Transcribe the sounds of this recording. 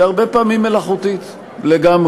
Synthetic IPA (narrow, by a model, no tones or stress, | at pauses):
aʁbe̞paːmimːe̞laχut̪it̪ | leɡamʁ